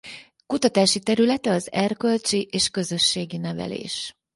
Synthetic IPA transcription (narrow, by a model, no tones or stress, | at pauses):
kut̪ɒt̪aːʃit̪ɛɾylɛt̪ɛɒzɛrkø̞lt͡ʃiʔeːʃkø̞zø̞ʃːeːɡinɛvɛ̰lḛːʃ